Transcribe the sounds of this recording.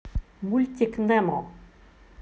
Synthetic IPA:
mulʲt̪ʲiknɛmɔ̃

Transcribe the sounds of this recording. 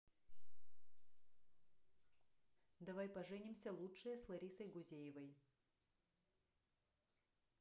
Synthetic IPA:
d̪ɐvajpɐʐɛnʲɪmsʲəlˠutʂɨjəslˠɐɾʲisəjɡʊzʲejɪvəj

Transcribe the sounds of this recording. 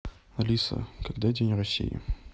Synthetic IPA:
ɐlʲisə̰kɐɡd̪adʲenʲrɐsʲːḭjɪ̰

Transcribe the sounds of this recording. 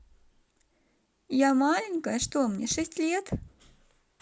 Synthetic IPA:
jamalʲɪŋʲkəjəʂt̪omnʲeʂɛsʲtʲlʲet̪

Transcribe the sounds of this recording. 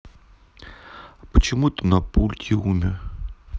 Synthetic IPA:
pət͡ɕɪmuɛt̪ənɐpulʲt̪ʲɪumʲɪr

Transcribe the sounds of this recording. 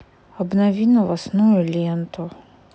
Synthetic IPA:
ɔbnɔʋʲinɔʋasnujʊlʲint̪ʊ

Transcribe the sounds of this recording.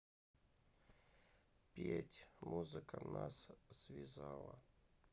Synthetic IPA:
pʲetʲmuzɨkənassvʲɪzalˠə

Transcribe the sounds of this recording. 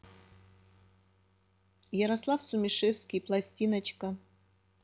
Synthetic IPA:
jɐɾɐslˠafsʊmʲɪʂefsʲkʲijplˠɐsʲtʲinɐt͡ɕkɐ

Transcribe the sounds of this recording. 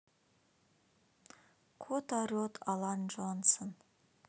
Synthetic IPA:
kʰot̪aɾot̪ʰɑlˠɑnʒonsən

